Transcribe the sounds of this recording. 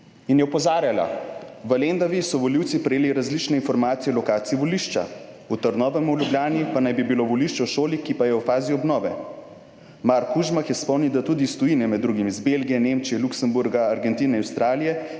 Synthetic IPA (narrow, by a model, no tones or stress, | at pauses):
injɛupɔzaːɾjala̰ʋəlend̪aʋisɔʋɔliwt̪sipɾɛjeːliɾazlit͡ʃnɛinfɔɾmaːt̪sijɛlɔkaːt̪siiʋɔliʃt͡ʃa̰ | ut̪əɾd̪nɔːʋɛmulʲjublʲjaːnipanajbibiloʋɔliʃt͡ʃɛwʃoːlikipajɛwfaːziɔbnɔːʋɛ | maɾkuʒmaxjɛspɔwnid̪at̪ud̪ist̪ɔjinɛmɛd̪ːɾuɡimizbelɡijɛneːmt͡ʃijɛluksɛmbuɾɡaaɾɡɛnt̪iːnɛawst̪ɾaːlijɛ